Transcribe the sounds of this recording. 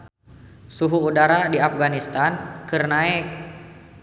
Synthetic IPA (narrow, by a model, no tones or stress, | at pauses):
suɦuːdaɾadiafɡanist̪ankɨrnaɛk̚